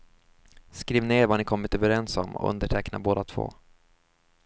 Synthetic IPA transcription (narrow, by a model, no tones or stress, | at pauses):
skɾiːvneːɾvaɳɪkʰɔmːɪt̪øːvəɾɛnsɔmːɔ̰ʔɵ̰nd̪əʈʰɛkna̰boːd̪at̪ʰv̥o̰ː